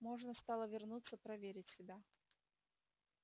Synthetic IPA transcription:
mo̞ʐnəst̪ɑlˠəvʲɪrnut̪sːəpɾɐvʲeɾʲɪtʲsʲɪbʲa

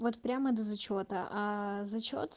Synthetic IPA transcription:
vot̪pɾʲaməd̪əzɐt͡ɕot̪əʔazɐt͡ɕo̰t̪

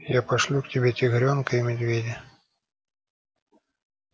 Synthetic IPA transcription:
japɐʂlʲuktʲɪbʲetʲɪɣɾʲonkəɪmʲɪd̪vʲedʲɪ

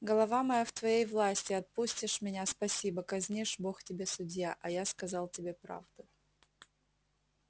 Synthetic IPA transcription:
ɡəlˠɐvamɐjaft̪vɐjejvlˠasʲtʲɪɐt̪̚pusʲtʲɪʂmʲɪnʲaspɐsʲibəkɐzʲnʲiʂboxtʲɪbʲe̞sʊdʲjaʔɐjaskɐzɑlˠtʲɪbʲe̞pɾa̰vd̪ʊ

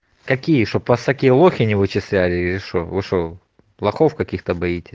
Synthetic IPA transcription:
kɐkʲijəʂopɐst̪ɐkʲijəlˠoxʲɪnʲɪvɨt͡ɕɪsʲlʲælʲɪɪlʲɪʂovɨʂo | lˠɐxofkɐkʲixt̪əbɐitʲɪ

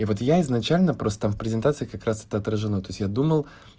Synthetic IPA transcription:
ivo̞t̪jaɪznɐt͡ɕælʲnəpɾost̪ət̪amfpɾʲɪzʲɪnt̪at̪sɨɪkɐkɾasɛ̥t̪əɐt̪ɾəʐɨnot̪o̞ɪsʲjad̪uməlˠ

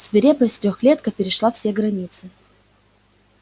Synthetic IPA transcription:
svʲɪɾʲepəsʲt̪ɾʲoxlʲet̪kəpʲɪɾʲɪʂlˠafsʲeɡɾɐnʲit̪sɨ

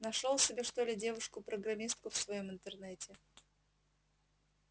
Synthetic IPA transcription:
nɐʂolˠsʲɪbʲeʂt̪o̞lʲɪdʲe̞vʊʂkʊpɾəɡɾɐmʲist̪̚kʊfsvɐjo̞mɨnt̪ɨrnɛtʲɪ

